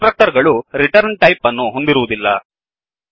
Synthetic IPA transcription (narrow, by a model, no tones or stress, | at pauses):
ɾɐk̚ʈɐɾɡɐɭuɾiʈɐɾɳʈɐjpɐnːuɦo̞nd̪iɾuʋud̪ilːɐ̰